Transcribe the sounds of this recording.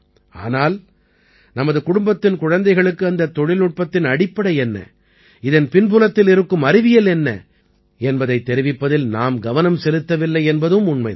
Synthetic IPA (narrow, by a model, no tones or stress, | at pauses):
a̰ːnaːl | nɐmɐðɯkʊɽʊmbɐt̪ːɪnkʊɻɐnd̪ɐɪɣɐɭɯkːɯɐnd̪ɐt̪ːɔɻɪlnʊʈ̚pɐt̪ːɪnɐɽɪpːɐɽɐɪɛnːɐ̰ | ɪðɐnpɪnpʊlɐt̪ːɪlɪɾɯkːɯmɐɾɪʋɪjɐlɛnːɐ̰ | ɛnbɐðɐɪt̪ːɛɾɪʋɪpːɐðɪlnaːmɡɐʋɐnɐmsɛlɯt̪ːɐʋɪlːɐɪɛnbɐðɯmʊɳmɐɪ